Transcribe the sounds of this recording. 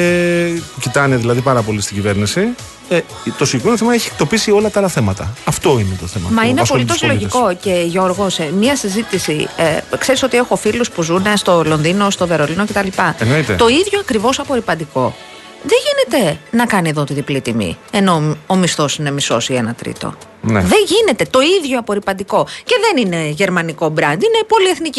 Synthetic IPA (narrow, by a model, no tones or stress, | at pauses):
epucit̪ɐneðilɐðipɐɾɐpo̞list̪iɟive̞ɾnisi | e | t̪o̞siimenoθemɐeçik̚t̪o̞pisio̞lɐt̪ɐɐlɐθe̞mɐt̪ɐɐft̪o̞inet̪oθemɐ̰mɐinespo̞liit̪osloʝisko̞ce̞ʝo̞ɾɣo̞smɲɐsizit̪isikse̞ɾiso̞t̪ie̞xo̞filuspuzune̞st̪o̞lo̞nðino̞st̪o̞ve̞ɾo̞lino̞ce̞t̪ɐlipɐenoit̪et̪o̞iðʝoɐkɾivo̞sɐpo̞ɾipɐnd̪iko̞ | ðeʝine̞t̪e̞nɐkɐnieðot̪iðiplit̪imḭe̞no̞omist̪o̞sine̞miso̞sienɐt̪ɾḭt̪o̰ | neðe̞ʝine̞t̪e̞t̪o̞iðʝo̞ɐpo̞ɾipɐnd̪iko̞ce̞ðe̞nine̞ʝe̞ɾmɐniko̞bɾɐnd̪ine̞po̞lieθnici